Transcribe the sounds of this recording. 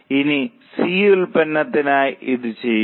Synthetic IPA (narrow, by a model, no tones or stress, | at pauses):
ini | siːilpɐnːɐt̪ːinaːjiðɨt͡ɕejː